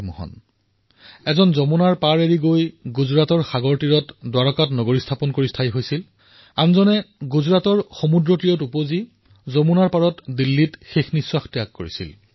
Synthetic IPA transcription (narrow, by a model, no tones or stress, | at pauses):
mɔ̰ɦɔ̰n | ɛzɔnzɔmunaɹpaɹeɹiɡojɡuzɹatɔɹxaɡoɹtiɹɔtdwaɹɔkatnɔɡoɹistʰapɔnkoɹistʰajɦojsil | anzɔnɛɡuzɹatɔɹxomudɹɔtijɔtupozi | zomunaɹpaɹɔtdilːitxexniswaxtijakːoɹḭsḭl